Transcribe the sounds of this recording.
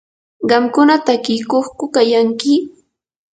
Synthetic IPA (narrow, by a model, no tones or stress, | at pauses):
ɢɑmkʊnat̪akɪjkoχkʊkajaŋkɪ